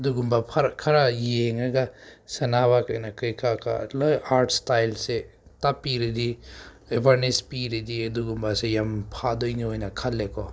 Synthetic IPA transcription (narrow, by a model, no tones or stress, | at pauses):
duɡumbapʰaɾkʰaɾajeŋaɡasɐnaβakɯjnakɯjkʰakʰa̰lɔjaɾtʰstajlse | tapiɾidi | ebʱaɾnespiɾididuɡumbasejampʰadojniojnɐkʰalːekʰɔ